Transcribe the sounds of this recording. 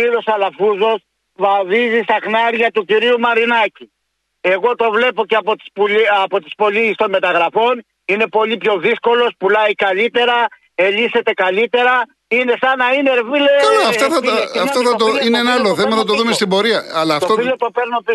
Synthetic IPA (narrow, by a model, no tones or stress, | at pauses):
iosɐlɐfuzo̞s | vɐvizist̪ɐknɐɾʝɐt̪uciɾiumɐɾinɐci | e̞ɣo̞t̪o̞vle̞po̞ce̞ɐpot̪i̥spuɐpo̞t̪i̥spo̞liist̪o̞mme̞t̪ɐɣɾɐfo̞n | ine̞po̞lipço̞ðisko̞lo̞spulɐjkɐlit̪e̞ɾɐ | e̞lise̞t̪e̞kɐlit̪e̞ɾɐ | ine̞sɐnɐineɾvileɐlɐɐft̪ɐθɐt̪ɐft̪ɐθɐt̪oineenɐɐloθemɐnɐt̪oðumest̪ibo̞ɾiɐɐlɐːft̪t̪ofilot̪o̞peɾnop